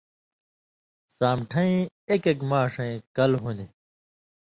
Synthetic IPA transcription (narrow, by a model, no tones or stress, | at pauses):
saːmʈʰɐ̃ĩ | ekekmaːʂɐ̃ĩkɐlɦuni